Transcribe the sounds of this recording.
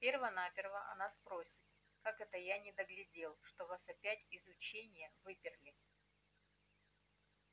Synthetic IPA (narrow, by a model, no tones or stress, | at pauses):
pʲervənapʲɪrvəʔɐ̰naspɾo̞sʲɪ̥t̪̚ | kakɛt̪əjanʲɪd̪əɡlʲɪdʲe̞lˠʂt̪o̞vasɐpʲætʲɪzʊt͡ɕenʲɪjəvɨpʲɪrlʲɪ